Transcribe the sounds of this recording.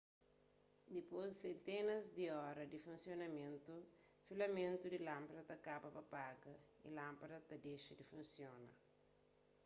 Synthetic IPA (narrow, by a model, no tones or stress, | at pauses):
d̪ipozsẽnt̪enɐzd̪iɔɾɐd̪ifũnsjonɐmẽnt̪u | filɐmẽnt̪ud̪ilãmpɐɾɐt̪ɐkabɐpɐpaɡɐḭlãmpɐdɐt̪ɐd̪eʃɐd̪ifũnsjonɐ